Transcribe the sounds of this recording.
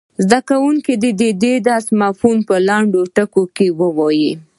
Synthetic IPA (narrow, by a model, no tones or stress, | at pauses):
zd̪akawuŋkid̪ed̪ed̪ed̪ɑsmɑfunpəlaɳɖoʈəkokewəwɑji